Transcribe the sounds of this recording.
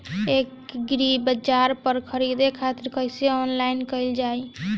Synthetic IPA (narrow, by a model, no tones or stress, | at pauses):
ekɡɾibəd͡ʒaɾpəɾkʰəɾid̪ekʰat̪ɪɾkəjseɔnlaɪnkəɪld͡ʒaj